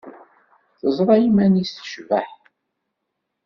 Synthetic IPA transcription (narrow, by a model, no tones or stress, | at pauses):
θəzˤɾˤɑjimænisə̥ʃvaħ